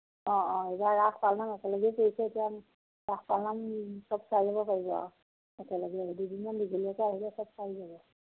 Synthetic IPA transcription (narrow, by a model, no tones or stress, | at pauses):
ɔɔ̃ebaɹaxʰpalnamɛkɛlɔɡɛpeisɛetijam | ɹaxʰpalnamsɔb̚sajzabɔpaɹibɔ̰ | ɛkɛlɔɡɛidudimandiɡʱiliɛkɛaɦilɛsɔbsaizabɔ